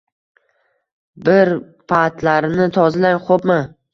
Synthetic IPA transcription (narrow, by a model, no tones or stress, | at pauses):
bɪɾ | pʰat̪laɾɪnɪt̪ʰɒzɪd̪anχopmɪ